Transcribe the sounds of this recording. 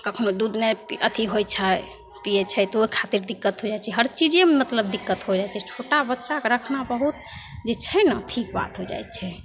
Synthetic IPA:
kəkʰnod̪ud̪nepiət̪ʰiɦojt͡ʃʰə | pijɛt͡ʃʰɛt̪ɔoikʰat̪iɾd̪ikːət̪ɦod͡ʒajt͡ʃʰɛɦəɾt͡ʃid͡ʒemmət̪ləb̚d̪ikːət̪ɦod͡ʒajt͡ʃʰɛt͡ʃʰoʈabətːʃakeɾəkʰnabəɦut̪̚d͡ʒet͡ʃʰɛnətʰik̚ba̰t̪ɦod͡ʒa̰jt͡ʃʰɛ

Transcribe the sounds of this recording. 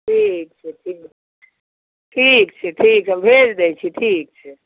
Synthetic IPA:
ʈʰik̚t͡ʃʰɛʈʰiːkʰɛ | ʈʰiːk̚t͡ʃʰɛʈʰiːkt͡ʃʰɛmbʱeːd͡ʒd̪ejt͡ʃʰiʈʰiːk̚t͡ʃʰɛ

